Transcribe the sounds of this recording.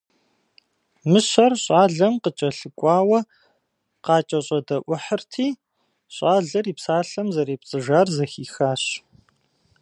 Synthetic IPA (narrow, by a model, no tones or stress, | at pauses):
mɨɕɐrɕʼaːɮɐmqət͡ʃʼɐɬɨkʷʼɑːwɐ | qɑːt͡ʃʼɐɕʼɐdɐʔʷʊħərtʰiː | ɕʼaːɮɐriːpsaːɬɐmzɐɾiːpt͡sʼɨʒaːrzɐxiːxaːɕ